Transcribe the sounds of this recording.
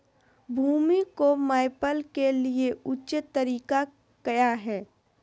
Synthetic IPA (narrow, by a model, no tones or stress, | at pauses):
bʱuːmikomaːɪpəlkelieʊt͡ʃɪt̪ːəɾiːka | kɐjaɦɛː